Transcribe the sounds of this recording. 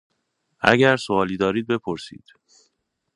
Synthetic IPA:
ʔæ̰ɟæɾsoɒːliːd̪ɒːɾiːd̪̚be̞pʰoɾsḭːd̪̥

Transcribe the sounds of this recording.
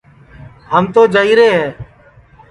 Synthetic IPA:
ɦəmt̪oːd͡ʒəːiːɾeːɦɛː

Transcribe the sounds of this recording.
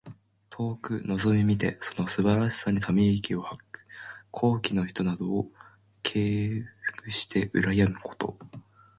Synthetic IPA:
t̪ʰo̞ːkɯ̟no̞zo̞mʲimʲit̪e̞so̞no̞sɨbaɾaɕi̥saɲ̟it̪ʰamʲikʲio̞hakːɯ̟̥kʰo̞ːkʲino̞çi̥t̪o̞nad̪o̞ː | kʰe̞ːkɯ̟ɕi̥t̪ʰe̞ʔɯ̟ɾajamɯ̟kʰo̞̥t̪o̞̰

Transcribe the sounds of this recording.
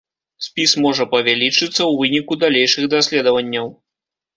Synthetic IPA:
sʲpʲismɔʐɐpɐvʲalʲit͡ʂɨt̪sːɐwvɨnʲikud̪alʲejʂɨɣd̪asʲlʲɛd̪ɐvɐnʲːɐw

